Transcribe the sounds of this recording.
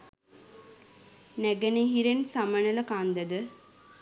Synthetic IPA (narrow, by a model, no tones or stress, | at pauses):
næɡəneɦiɾensamənələkand̪əd̪ə